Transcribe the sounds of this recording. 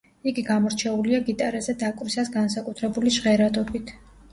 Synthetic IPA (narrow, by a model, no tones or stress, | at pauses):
iɡiɡamɔɾt͡ʃʰɛuliaɡit̪ʼaɾazɛd̪akʼvɾisasɡansakʼut̪ʰɾɛbuliʒʁɛɾat̪ʼɔbit̪ʰ